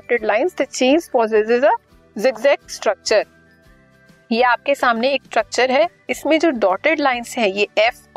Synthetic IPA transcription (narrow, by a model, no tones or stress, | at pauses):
ʈəɖlaːɪnsd̪ət͡ʃĩːnzfɔːzɪzɪzə | zɪɡzɛk̚ʈsʈɾɐk̚t͡ʃəɾ | jeaːp̚kesaːmneːksʈɾɐk̚t͡ʃəɾɦɛ | ɪsmẽd͡ʒoːɖɔːʈeɖlaːɪnsɦɛ̃jeːɛf